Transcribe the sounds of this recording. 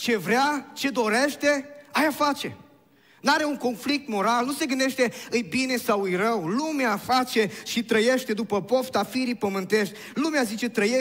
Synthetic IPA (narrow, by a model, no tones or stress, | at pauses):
t͡ʃe̞vɾʲat͡ʃe̞d̪o̞ɾe̞ʃt̪e̞ajafat͡ʃe̞ | naɾe̞uŋko̞nflik̚t̪mo̞ɾalnuse̞ɡɨnd̪eʃt̪e̞ɨjbine̞sawɨjrəwlumeafat͡ʃe̞ʃit̪ɾəje̞ʃt̪e̞d̪upəpo̞ft̪afiɾipəmɨnt̪e̞ʃt̪ʲ | lumeazit͡ʃe̞t̪ɾəje